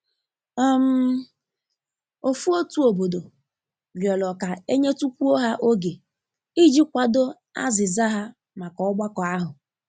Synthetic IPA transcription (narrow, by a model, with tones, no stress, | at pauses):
m̩˦ | o˨fu˦o˦tu˦o˨bo˨do˨ | ljɔ˨lɔ˨ka˨e˦ɲe˦tu˦kʷu˦o˦ɦa˦ʔo˦ɡe˨ | i˦d͡ʒi˦kʷa˨do˦ | a̰˦zɪ˨za˦ɦa˦ | ma˨kɔ˨ʊ˦ɡ͡ba˦kɔ˨a˦ɦʊ˨